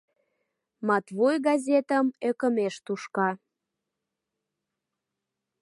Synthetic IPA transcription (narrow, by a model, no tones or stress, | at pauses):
mɑt̪βojɡɑzʲet̪ə̆møkəmeʃt̪uʃkɑ